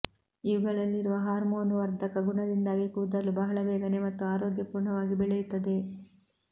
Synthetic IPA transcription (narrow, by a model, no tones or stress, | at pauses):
iʋɐɡɐɭɐlːiɾuʋɐɦaːɾmoːnuʋɐɾd̪ʱɐkɐɡuɳɐd̪ind̪aːɡikud̪ɐlːubɐɦɐɭɐʋɛːɡɐnemɐt̪ːuaːɾoːɡjɐpuːɾɳɐʋaːɡibɛɭejut̪ːɐd̪e̞